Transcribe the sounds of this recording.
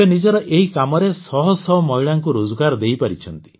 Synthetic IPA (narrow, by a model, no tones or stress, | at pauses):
enid͡ʒɔɾɔʔeɦikamɔɾesɔɦɔsɔɦɔmɔɦiɭaŋkuɾod͡ʒɔɡaɾɔd̪ejpaɾit͡ʃʰɔnt̪i̥